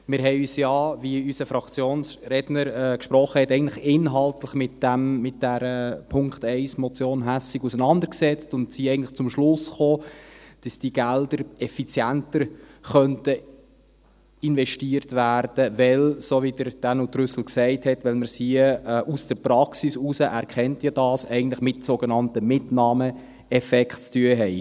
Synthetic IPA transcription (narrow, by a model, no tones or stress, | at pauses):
mɪɾɦɛɪyːsjɑːviysəfɾɑkt͡sjoːnsɾɛdnəɾɛːkʃpɾɔχəhɛtɛɪəntləχɪnɦɑltləχmɪtd̥æmːɪt̚d̥æɾəpʰʊŋktɛɪsmɔt͡sjoːnɦæsɪɡusənɑnd̪əɾksɛt͡stʊndsiɛɪɡntləχt͡sʊmʃlʊsχoːd̥ɑsd̥iɡ̥ældəɾɛfit͡sjæntəɾχœntə | ɪnvɛʃtiərtværd̥əʋɛlsoːʋidəɾd̥ænutɾʏsl̩ksɛɪthɛtʋɛlməɾsiəɛʔusd̥əɾpɾɑksisusəʔæɾkχɛntjɑd̥ɑːsɛɪɡən̩tləχmɪtsoɡenɑntəmɪtnɑːmə | ɛfɛkχtt͡styəɦɛɪ